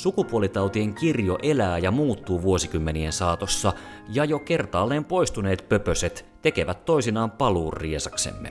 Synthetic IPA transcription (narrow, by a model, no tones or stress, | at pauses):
sukupuolit̪ɑwt̪ieŋkirjoʔe̞læːjɑmuːt̪ːuːʋuo̞sikymːeniensɑːt̪osːɑ | jɑjo̞ke̞rt̪ɑːlːeːmpo̞jst̪une̞ːt̪pøpøset̪t̪e̞ke̞ʋæt̪ːo̞isinɑːmpɑluːrːiesɑksḛmːḛ